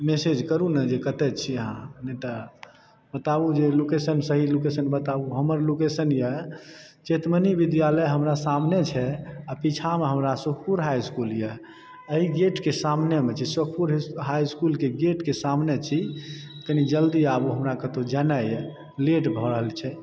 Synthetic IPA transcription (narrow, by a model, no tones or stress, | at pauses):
mesed͡ʒkəɾunəd͡ʒekət̪ɛt͡ʃʰiɦãneʈ̪a | bət̪abud͡ʒelokesənsəɦilokesənbət̪abuɦəməɾlokesənjɛ | t͡ʃet̪mənibid̪jaləjɦəmɾasamnet͡ʃʰɛapit͡ʃʰameɦəmɾasukʰpuɾɦajskuljɛ | əɦiɡeʈkesamnemet͡ʃʰisək̚ʰpuɾɦɦajskulkeɡeʈkesamnet͡ʃʰit̪ənid͡ʒəld̪iabuɦəmɾakət̪od͡ʒənajɛ | leʈbʱɔɾəɦəlt͡ʃʰɛ